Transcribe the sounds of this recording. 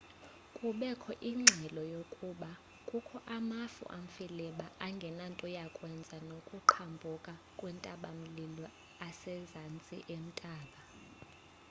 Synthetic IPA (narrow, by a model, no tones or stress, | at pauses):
kʼuɓɛkʰɔʔiŋ͡ǁʱɛlɔjokʼuɓa | kʼukʰɔʔamafṵʔaɱ̩filɛɓaʔaŋɡʱɛnantʼɔjakʼwɛnd͡zʱanokʼuǃʰambʱukʼa | kʼwɛntʼaɓam̩lilɔ | asɛzant͡sʼḭʔem̩tʼaːɓa